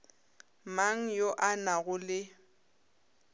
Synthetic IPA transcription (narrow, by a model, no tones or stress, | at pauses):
maŋ̩joʔanaɣʊlɪ